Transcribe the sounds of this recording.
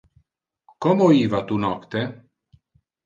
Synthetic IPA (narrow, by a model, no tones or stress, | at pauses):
kɔmoiːvat̪unɔkt̪e